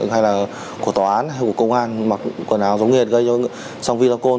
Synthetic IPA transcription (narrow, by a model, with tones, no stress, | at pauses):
ha˧jlaː˨˩ | ku˧˩ət̪ɔː˨˩ʔaː˨˦nɦa˧jku˧˩əkə˧wŋ͡mʔaː˧nma˨˩k̚ku˧˨˩naː˨˦wzə˨˦wŋ͡mŋi˨˩ət̚ɣə˧jt͡ɕɔ˧ | sa˧wŋ͡mvi˧zɔ˧ko˧